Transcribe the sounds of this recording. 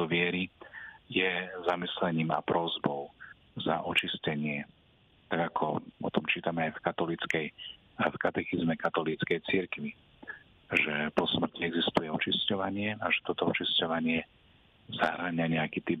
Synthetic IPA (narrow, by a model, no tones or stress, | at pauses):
ɔʋɪɛɾijɛzamislɛɲiːma̰pɾɔzbɔʊ | zaʔɔt͡ʃiscɛɲɪɛ | t̪aɡakʰɔɔ̰t̪ɔmt͡ʃiːt̪amɛajfkat̪ɔlit͡skɛj | fkat̪ɛxizmɛkat̪ɔlit͡skɛjt͡siɾkʋi | ʒɛpɔsmr̩ciɛɡzist̪ujɛɔt͡ʃiscɔʋaɲɪɛaʒɛt̪ɔt̪ɔɔt͡ʃiscɔʋaɲɪɛ | zaɦɾaɲaɲɛakit̪ip